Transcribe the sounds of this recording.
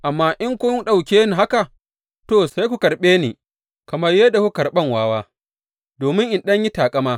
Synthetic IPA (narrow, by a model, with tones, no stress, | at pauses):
ʔa˨mːaː˦ʔɪ˦ŋkʷʊ˦ŋɗa˨wkʲeː˦ni˨ɦa˦ka˨ | toː˦˨sa˦jkʷu˨kɐ˨ɽɓeː˦niː˨ | kɐ˨mɐ˦rjeː˦da˨ku˦kɐ˨ɾɓɐ˦˨ŋwaː˦waː˦ | doː˨mɪ˦ŋʔɪ˨nɗɐ˦ɲji˦taː˨kʼɐ˦maː˦